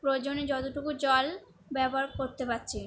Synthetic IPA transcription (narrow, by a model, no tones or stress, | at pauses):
pɾod͡ʑoned͡ʑɔt̪oʈukud͡ʑɔl | bɛboaɾkoɾt̪epatːɕʰe